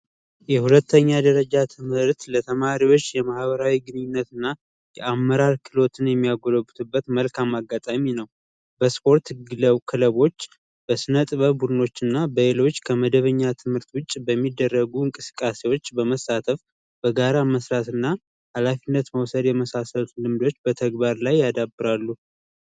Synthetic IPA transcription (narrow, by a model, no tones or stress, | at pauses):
jɛhulət̪ʰːəɲːad̪əɾəd͡ʒat̪ʰɨmhɨɾt̪lət̪ʰəmaɾiwo̞t͡ʃːjɛmahβəɾawiɡɨnɨɲːɪnːət̪ɨnːa | jɛʔamːəɾaɾkʰɨlo̞t̪ʰɨnjɛmːijaɡo̞ləbut̪ʰɨbːət̪məlkʰamaɡːat̪ʼaminəw | bəspʰo̞ɾt̪ɡɨləwkʰɨləβo̞t͡ʃː | b̥əsɨnət̪ʼɨβəbud̪ɨno̞t͡ʃːɨnːabəelo̞t͡ʃːkʰəməd̪əβəɲːat̪ʰɨmhɨɾt̪wʊt͡ʃʼːbəmːid̪ːərːəɡuɨŋkʼɨsɨ̥kʼːase̞wo̞t͡ʃːbəməsat̪ʰəf | b̥əɡaɾaməsɾat̪ɨnːa | halafinːət̪məwsəd̪jɛməsasəlut̪lɨmd̪o̞t͡ʃːbət̪ʰəɡbaɾlajːad̪abːɨɾalːu